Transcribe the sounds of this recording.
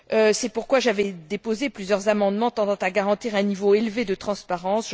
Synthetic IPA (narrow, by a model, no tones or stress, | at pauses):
øsɛpuʁkwaʒavɛd̪epozeplyzjœʁzamɑ̃d̪mɑ̃t̪ɑ̃d̪ɑ̃t̪aɡaʁɑ̃t̪iʁɛ̃nivoelved̪ət̪χɑ̃spaʁɑ̃sʒ